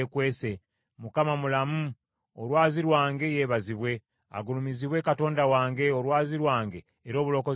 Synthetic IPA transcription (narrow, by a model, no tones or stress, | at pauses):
ekwe̞ːse̞ | mukamamulamu | olwaːziɾwaːŋɡe̞je̞ːβaziβwe̞ | a̰ɡulumiziβwe̞kato̞ːndawaːŋɡe̞o̞ɾwaːziɾwaːŋɡe̞ːɾo̞ːβulo̞ko